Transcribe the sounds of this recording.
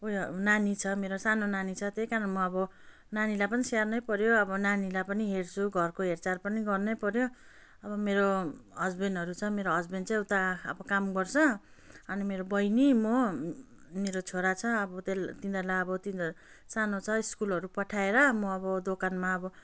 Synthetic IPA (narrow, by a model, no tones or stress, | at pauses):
ojnanit͡sʰʌmeɾosanonanit͡sʰʌt̪ejkaɾʌnmʌʌbʌ | nanilajpʌnisarnʌjpʌɾjoʌbʌnanilapʌniɦert͡sʰuɡʱʌrkoɦert͡sarpʌniɡʌrnʌpʌɾjo | ʌbʌmeɾoɦʌd͡zbenʌɾut͡sʰʌmeɾoɦʌd͡zbent͡sãewt̪aʌ̰bʌkamɡʌrt͡sʰʌ | ʌnimeɾobʌjnimo | meɾot͡sʰoɾat͡sʰʌʌbʌt̪elt̪ind̪ʌlaʌbʌt̪in | sanot͡sʰʌiskulʌɾupʌʈʰaeɾʌmʌʌbʌd̪okanmaʌbʌ